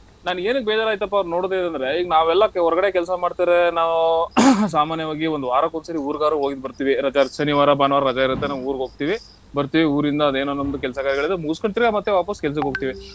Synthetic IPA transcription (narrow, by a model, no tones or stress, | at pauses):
naːneːnuɡ̚bɛːd͡ʒaːɾaːɡit̪ɐpːaɐʋɾno̞ːɽd̪eid̪ɐnd̪ɾeiːɡɐnaːʋɛlːɐkɔɾɡɐɽekɛlsɐmaːɖt̪iɾenaːʋus̬aːmaːnjɐʋaːɡiʋond̪uʋaːɾakonsɐɾiuːɾɡaːɾuɦoːɡid̪̚bɐɾt̪iːʋiɾɐd͡ʒasɐniʋaːɾɐbaːnʋaːɾɾɐd͡ʒaːiɾɐt̪ːenaːʋuːɾɡɦo̞ːɡ̚t̪iːʋi | bɐɾt̪iʋiuːɾind̪ɐːd̪eːnonːond̪ukɛlsɐkaːɾiɡɐɭid̪emuɡskoɳt̪iɾeamɐt̪ːeʋaːpɐskɛls̬ɐkɦoɡ̚t̪iːʋi